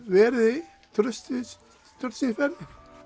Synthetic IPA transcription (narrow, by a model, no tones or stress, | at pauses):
vɛːɾðɪ | t̪ʰɾʏst̪ɪs | t̪ʰɾʏɾt̪sinfɛɾðɪ